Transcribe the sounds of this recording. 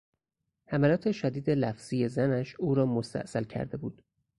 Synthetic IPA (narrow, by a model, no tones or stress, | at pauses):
hæmælɒːt̪ʰe̞ʃæd̪iːd̪e̞læfz̥iːje̞zænæʃuːɾɒːmost̪æ̰ʔsælcʰæ̰ɾd̪e̞buːd̪̥